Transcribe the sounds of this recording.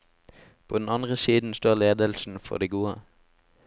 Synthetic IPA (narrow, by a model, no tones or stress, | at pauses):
pʰoːd̪ɛn̩ɑnʁəsiːd̪n̩st̪oːʁleːd̪əlsn̩fɔ̰ʁd̪iːɡuːə